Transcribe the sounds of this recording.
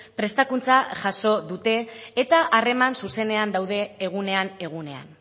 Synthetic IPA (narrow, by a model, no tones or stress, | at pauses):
pɾe̞st̪akunt͡saʝaso̞ðut̪e̞ːt̪aʔare̞mansuse̞ne̞and̪awðe̞ːɣ̞une̞ane̞ɣ̞une̞a̰n